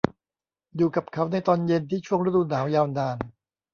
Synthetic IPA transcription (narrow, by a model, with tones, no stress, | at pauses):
juː˨˩ka˨˩p̚kʰa˦˥wna˧jt̪ɔː˧nje˧nt̪ʰiː˥˩t͡ɕʰu˥˩əŋɾa˦˥˩d̪uː˧naː˩˦wjaː˧wnaː˧n